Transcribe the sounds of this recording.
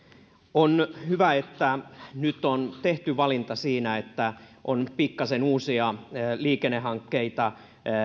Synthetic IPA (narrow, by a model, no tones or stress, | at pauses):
onhyʋæet̪ːænyt̪ont̪eht̪yʋɑlint̪ɑsiːnæet̪ːæʔonpikːɑsenuːsiɑliːkenːehˑɑŋkːeit̪ɑ